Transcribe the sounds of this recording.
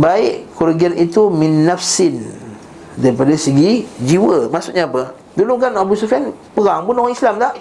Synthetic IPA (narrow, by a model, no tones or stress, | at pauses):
baɪʔkuɾɡianʔit̪uminːafsɪn | daɾipadasəɡid͡ʒiwəmaʔsuʔɲaːpə | duluŋk̬anabusufianpəɾaŋpʊnoɣaŋislamt̪aʔ